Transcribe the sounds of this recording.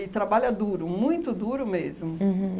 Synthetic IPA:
ɪt̪ɾabaʎɐd̪uɾʊmũj̃t̪ʊd̪uɾʊmezmʊɦ̩

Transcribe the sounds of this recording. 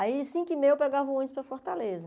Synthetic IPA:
aisĩkɪmejwpɛɡavɐ̃õɲʊspɾɐfoɾt̪alezɐ

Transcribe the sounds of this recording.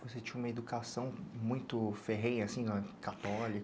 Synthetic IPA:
voset͡ʃĩɲ̃ũmɐed̪ukasɐ̃w̃mũj̃t̪ʊfeɦẽj̃asĩnɐkat̪ɔlik

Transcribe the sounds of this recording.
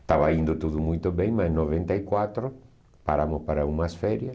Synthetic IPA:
t̪aβaind̪ʊt̪uðʊmujt̪ʊβɛ̃jmasnːoβent̪aikwat̪ɾʊ | paɾamʊspaɾɐumɐsfɛɾjɐs

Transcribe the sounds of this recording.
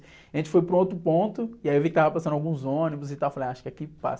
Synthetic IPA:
aʒẽnt͡ʃɪ̥fojpɾũot̪ɾʊpõnt̪ʊɪaiewvikɪt̪avɐpasɐ̃nawɡũzõnibʊzɪt̪awfalẽaʃḁkɪakipa̰s

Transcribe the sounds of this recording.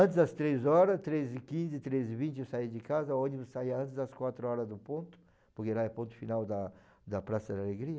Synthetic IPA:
ɐ̃nt̪ɪzd̪ɐst̪ɾezɔɾɐst̪ɾezɪkĩzɪt̪ɾezɪvĩnt͡ʃ̪ɪesaid͡ʒɪkazɐõnibʊssaiɐɐ̃nt̪ɪzd̪ɐskwat̪ɾʊɔɾɐzd̪ʊpõnt̪ʊ̥ | pʊɾkelaɛpõnt̪ʊ̥finawd̪ɐ | d̪ɐpɾasɐd̪aleɡɾiɐ

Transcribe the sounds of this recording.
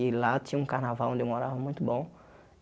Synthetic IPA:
ilatĩũkahnavaw̃d̪emoɾavɐmũj̃t̪ʊbõ

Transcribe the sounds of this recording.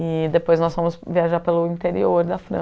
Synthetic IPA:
ɪd̪epojznɔsfɐ̃mʊsviaʒaɾpelʊĩnt̪eɾḭoɾd̪ɐfɾɐ̰̃

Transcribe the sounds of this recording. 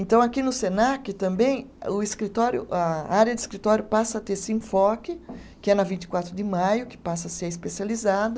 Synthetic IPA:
ẽnt̪ɐ̃w̃akinʊsenakɪt̪ɐ̃mbẽj̃ʊɪskɾit̪ɔɾjʊ̰ʔɐaɾjɐd̪ɪskɾit̪ɔɾjʊpasɐːt̪esɪẽfɔkɪ | kɪɛnɐvĩnt͡ʃ̪ɪkwat̪ɾʊd̪ɪmajʊkɪ̥pasɐseɾɪspesializad̪ɐ

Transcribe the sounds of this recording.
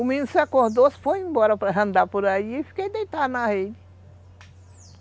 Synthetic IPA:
umĩnsakõhd̪osfojĩbɔɾɐpɾɐɦɐ̃nd̪apoɾaiefi̥kejd̪ejt̪anahed͡ʒi

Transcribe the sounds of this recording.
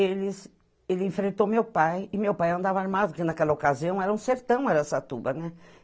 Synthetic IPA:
elɪs | elɪẽfɾẽnt̪owmewpajɪmewpajɐ̃nd̪avɐaɾmad̪ʊpɾkɪnakɛlɐokaziɐ̃w̃ɛɾɐũseɾt̪ɐ̃w̃ɛɾɐɛsɐt̪ubɐnɛ

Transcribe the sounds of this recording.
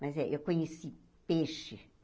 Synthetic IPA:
mɐzɛʔewkõɲesi | peʃɪ

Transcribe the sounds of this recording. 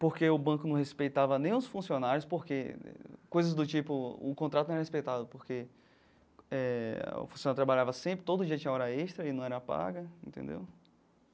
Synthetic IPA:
poɾkeʊbɐ̃kʊnɐ̃w̃hespejt̪avɐnẽj̃ʊsfũsionaɾjʊspoɾkeɛ̰kojzɐzd̪ʊt͡ʃipʊʊ̰kõt̪ɾat̪ʊñɛɾɐhespejt̪ad̪ʊpoɾke | ɛʊ̰fũsjonaɾʊt̪ɾabaʎavɐsẽpɾɪt̪od̪ʊd͡ʒiɐt͡ʃĩɲɐaɔɾɐeʃt̪ɾɐɪnɐ̃w̃ɛɾɐpa̰ɡɐẽt̪ḛ̃nd̪ḛw

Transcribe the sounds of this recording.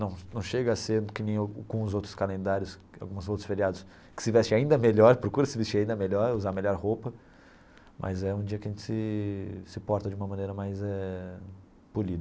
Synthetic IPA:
nɐ̃w̃nɐ̃w̃ʃeɡɐasẽd̪ʊkɪnẽj̃aɡũzowt̪ɾʊskalẽnd̪aɾjʊs | a̰wɡũzowt̪ɾʊsfeɾiad̪ʊs | kɪ̥sɪvɛst͡ʃɪaĩnd̪ɐmeʎɔɾpɾokuɾɐsɪvist͡ʃiaĩnd̪ɐmeʎɔɾuzameʎɔɾhowpɐ | mʔɐ̰zɛũd͡ʒiɐkɪɐʒẽnt͡ʃɪ̥sɪsɪpɔɾt̪ɐd͡ʒɪũmɐmɐ̃nejɾɐmajzɛ | pulid̪ɐ

